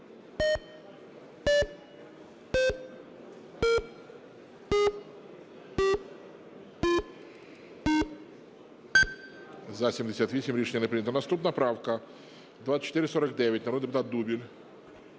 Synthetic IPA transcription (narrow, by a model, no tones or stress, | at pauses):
zɐsʲimd̪esʲat̪ʋʲisʲimɾʲiʃenʲːɐnɛpɾɪnʲɐt̪ɐnɐst̪upnɐpɾɑwkɐ | d̪ʋasə̥t͡ʃːt̪ɪɾɪsɔɾɐkd̪ɛʋʲjɐtʲnɾɔd̪pʊt̪at̪̚d̪ubʲilʲ